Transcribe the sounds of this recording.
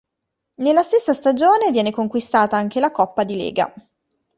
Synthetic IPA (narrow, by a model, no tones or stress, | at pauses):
nelːast̪esːast̪ad͡ʒoːnevjɛːnekoŋkwist̪aːt̪aaŋk̟elakɔpːad̪ilḛːɡa̰